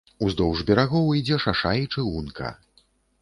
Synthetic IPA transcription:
uzd̪ɔwʐbʲɛɾaɣɔwid͡zʲɛʂaʂait͡ʂɨunkɐ̰

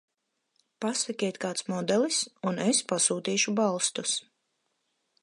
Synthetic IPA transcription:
pasakʲɛt̪kaːt̪smɔd̪ɛlˠisunespasuːt̪iːʃubalˠst̪us

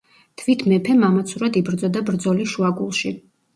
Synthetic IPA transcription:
t̪ʰvit̪ʰmɛpʰɛmamat̪sʰuɾad̪ibɾd̪zɔd̪abɾd̪zɔliʃuaɡulˠʃi

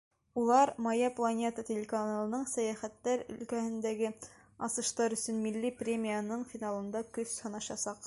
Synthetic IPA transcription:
ulˠɑɾmɑjaplˠɐnʲe̞t̪ətʲɪlʲɪkɐnalˠɤ̆nɤɴsæjæχæt̪ːæɾɵ̰̆lkæhɘ̆nd̪æɡɘ | ɑsɤ̆ʃt̪ɑɾɵ̆sɵnmilːiprʲemʲijanɤɴfʲinalˠɤ̆nd̪ɑkɵshɤ̆nɑɕɑsɑq

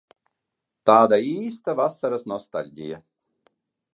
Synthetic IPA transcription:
t̪aːd̪aiːst̪ɐvasːɐɾɐsnɔst̪a̰lʲɡʲɪ̰jɛ

